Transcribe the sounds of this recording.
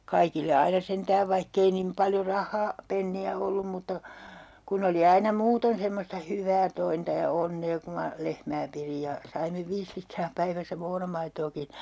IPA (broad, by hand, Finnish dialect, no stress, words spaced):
kɑikilːe ɑinɑ sentæːʋ ʋɑihk ei nim pɑljo rɑhˑɑː penːiæ olːum mutːɑ kun oli ɑinɑ muːton semːostɑ hyʋˑæː tointɑ jɑ onːeː ku mɑ lehmæː pirij jɑ sɑime ʋiːs litrɑː pæiʋæisæ moːnɑmɑitoːkin̞